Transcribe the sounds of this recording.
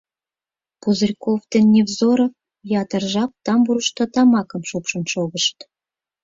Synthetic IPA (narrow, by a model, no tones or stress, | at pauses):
puzərʲkoft̪enʲːevzoɾɤ̆ | jɑt̪ərʒɑp̚t̪ɑmbuɾə̆ʃt̪ŏt̪ɑmɑkɤ̆mʃupʃə̆nʃoɣəʃt̪